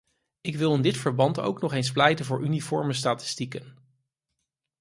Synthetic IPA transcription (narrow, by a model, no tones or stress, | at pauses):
ɪkʋɪlˠɪndɪtfəɹbɑnto̰wknɔχejns̬plɛjtənvʊːɹʔynifɔɹməstaːtɪ̥stikən